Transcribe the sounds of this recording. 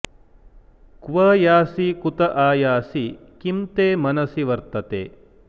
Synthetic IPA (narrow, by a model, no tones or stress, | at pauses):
kʋɐjaːsikut̪ɐʔaːjaːsikimt̪eːmɐnɐsiʋɐɾt̪ɐt̪ḛː